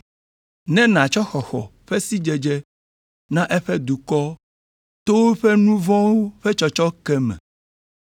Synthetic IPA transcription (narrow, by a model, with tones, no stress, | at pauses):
nɛ̃˦nã˨t͡ʃɔ˦xɔ˨xɔ̰˨ɸɛ˦si˦d͡ʒɛ˨d͡ʒɛ˦ | nã˦ʔɛ˦ɸɛ˦d̪u˨kɔ˦ | t̪o˦wo˦ɸɛ˦nũ˦vɔ̃˦wo˦ɸɛ˦t͡ʃɔ˨t͡ʃɔ˦kɛ˦mɛ̰̃˨